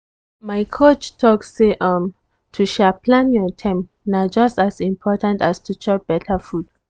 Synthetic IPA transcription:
majkʰot͡ʃtʰɔksːeʔə̃m | tʰuʃapʰlãnjɔtʰɛ̃m | nad͡ʒʌstasĩmpʰɔtãntastʰut͡ʃʰɔp̚b̥ɛtʰəfud̥

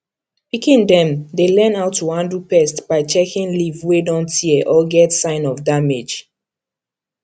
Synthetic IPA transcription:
pikĩndɛ̃mdelɛ̃naʊtʰːuhãndupɛstb̥aɪt͡ʃɛkĩnlivwedɔ̃ntiɛʔɔɡɛtsãɪ̃nɔvdamed͡ʒ

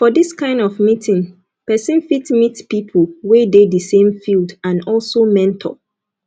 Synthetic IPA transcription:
fɔdiskʰãɪ̃ndɔvmitʰĩn | pɛsɨ̃nfitmitpipʰəlwededəsẽmfildãnɔlˠsomɛ̃ntʰɔ̰

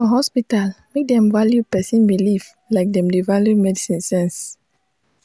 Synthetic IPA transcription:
ɔ̃ɦɔspitalmek̚dɛ̃mvaljupɛsĩnbiliv | laɪk̚dɛ̃mdevaljumɛdisĩnsɛ̃ns

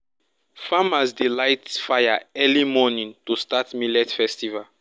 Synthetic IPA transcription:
famasdilajtfajaɛlimɔnĩŋtustatmilɛtfɛstival

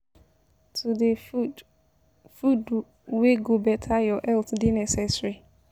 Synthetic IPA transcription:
tʰude | fud | weɡobɛtʰajɔʔɛlt̪ʰdɪnɛsɛsɹi

